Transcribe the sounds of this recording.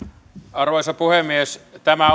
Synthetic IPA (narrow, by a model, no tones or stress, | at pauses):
ɑrʋoisɑpuhemːiest̪æmæ